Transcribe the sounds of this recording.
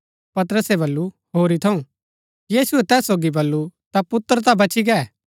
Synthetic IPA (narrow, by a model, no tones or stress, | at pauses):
pɐt̪ɾəsɛβɐlːu | ɦoːɾit̪ʰɐũ | jiːsʊɛt̪ɛːsːoːɡibɐlːut̪apʊt̪ːəɾt̪abɐt͡ʃʰiɡɛɛ